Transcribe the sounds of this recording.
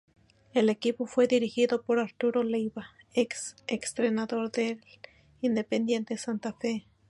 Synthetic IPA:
elekipofweðiɾixiðopoɾaɾt̪uɾolejβa | eksekst̪ɾenaðoɾd̪el | ind̪epend̪jent̪esant̪afe

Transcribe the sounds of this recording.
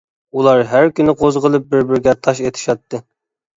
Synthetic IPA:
ulˠɑɾɦæɾkʲynɪqʰozʁəlˠɨp̚bɪɾbɪɾɡʲɛt̪ʰɑʃet̪ʰɪ̥ʃɑt̪ʰːɨ

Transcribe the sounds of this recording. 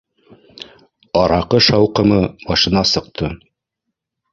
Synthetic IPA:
ɒɾɑqɤʃɑwqɤ̆mɤmɑʃɤ̆nɑsɤ̆q̚t̪ʰɤ

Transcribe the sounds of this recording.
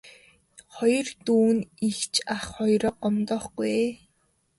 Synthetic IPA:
χɔjɞ̆rt̪uːnixt͡ɕʰaχχɔjɾɔqɔmt̪ɔːχɡuje

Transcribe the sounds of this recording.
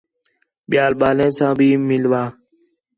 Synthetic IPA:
ɓɪjaːlɓaːlẽːsãːbʱiːmɪlʋaː

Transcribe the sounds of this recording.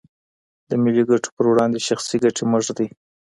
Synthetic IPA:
d̪̥əmɪliɡaʈʰo̥pəɾwɽɑnd̪eʃaxsiɡaʈʰeməʐd̪i

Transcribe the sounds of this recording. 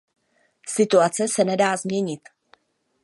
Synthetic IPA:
sɪt̪uat͡sɛsɛnɛdaːzmɲɛɲɪt̪

